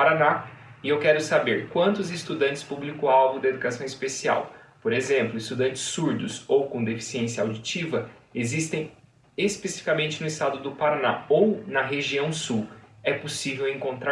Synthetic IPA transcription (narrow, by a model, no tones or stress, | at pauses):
aɾana | ɪewkɛɾʊsabeɾkwɐ̃nt̪ʊzɪst̪ud̪ɐ̃nt͡ʃɪspublikõawɡʊd̪ɐed̪ukasɐ̃w̃ispesia̰wpoɾezẽmplʊist̪ud̪ɐ̃nt͡ʃɪ̥sːuɾd̪ʊsowkõd̪efi̥siẽsjɐawd͡ʒit͡ʃivɐezist̪ẽj̃ | espesi̥fikamẽnt͡ʃɪnʊist̪ad̪ʊd̪ʊpaɾana̰ownɐɦeʒiɐ̃w̃suwɛposivewẽŋkõnt̪ɾa